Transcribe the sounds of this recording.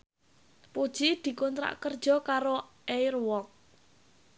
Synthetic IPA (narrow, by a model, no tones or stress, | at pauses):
pud̥ʒ̥id̪̥i̤kɔnt̪ɾa̰ʔkərd̥ʒ̥ɔ̤kaɾoʔejrwɔk̚